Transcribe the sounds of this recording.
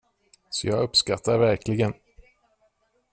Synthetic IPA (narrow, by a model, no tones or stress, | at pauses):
sɔjɑːɡɵpskat̪ʰːaɾvæɾklɪɡən